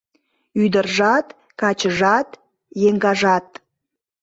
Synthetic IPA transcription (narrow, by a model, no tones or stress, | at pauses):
yd̪ərʒɑt̪ | kɑt͡ɕəʒɑt̪ | jeŋɡɑʒɑt̪̚